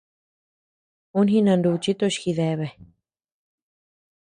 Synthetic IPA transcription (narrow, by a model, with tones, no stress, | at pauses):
u˦nhĩ˦nã˧nd̪u˧t͡ʃi˦t̪o˦˧ʃxi˧ðe˧βe˨